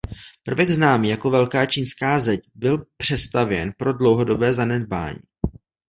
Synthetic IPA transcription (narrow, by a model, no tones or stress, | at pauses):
pr̩vɛɡznaːmiːjako̞vɛlkaːt͡ʃiːnskaːzɛcbɪlpr̝̥ɛst̪avjɛnpɾo̞dlo̞wɦo̞do̞bɛːzanɛd̚ba̰ːɲḭː